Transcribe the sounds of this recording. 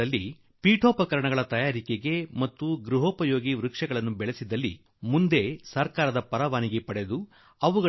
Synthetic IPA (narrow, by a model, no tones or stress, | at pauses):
ɐlːi | piːʈʰoːpɐkɐɾɐɳɐɡɐɭɐt̪ɐjaːɾikeɡe̞mɐt̪ːuɡɾuɦoːpɐjoːɡiʋɾukʂɛɡɐɭɐnːubɛɭesid̪ɐlːi | mund̪e̞sɐɾkaːɾɐd̪ɐpɐɾɐʋaːniɡe̞pɐɽe̞d̪u | ɐʋuɡɐ